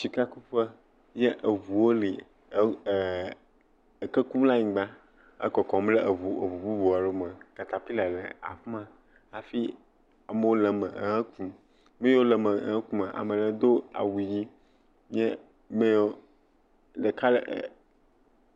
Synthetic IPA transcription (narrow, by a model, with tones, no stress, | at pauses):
si˨ka˦ku˦ɸə˦ | jɛ˦ʔə˨vu˨wo˦li˨˦˨ | kə˦ku˦mla˦ɲĩ˨ɡ͡bã˦ | ə̰˦kɔ˨kɔ̃˨m˦le˦ʔə˨vu˨ə˨vu˨bu˦vu˨a˨ɖo˦mə̃˨ka˨t̪a˨pi˦la˨lḛ˨a̰˨ɸmã˦ | a˨fi˦ | a˨me˦wo˦lɛ˨mə˨˦ə̃˦kũ˦ | mẽ˦wo˦lɛ˨mə˨˦ə̃˦ku˦ma˨ʔa̰˨mẽ˨le˨˦d̪o˦a̰˨wu˨ji˦ | ɲ˦ɛ˦ | me˦o˦ | ɖe˨ka˦l